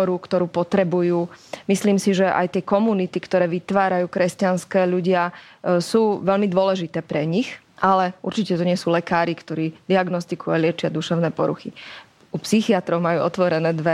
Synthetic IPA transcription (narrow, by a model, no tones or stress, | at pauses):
ɔɾukt̪ɔɾuːpɔt̪ɾɛbujuːmisliːmsiʒɛʔa̰jt̪ɪɛkɔmunit̪ikt̪ɔɾɛːʋit̪ʋaːɾajuːkɾɛscanskɛːʎuɟɪasuːʋɛlmid̪ʊɔlɛʒit̪ɛːpɾɛɲix | ʔalɛuɾt͡ʃicɛt̪ɔɲɪɛsuːlɛkaːɾikt̪ɔɾiːd̪iaɡnɔst̪ikualɪɛt͡ʃɪad̪uʃɛʊnɛːpɔɾṵxḭ | upsixiat̪ɾɔʊmajuːɔt̪ʋɔɾɛnɛːd̪ʋɛ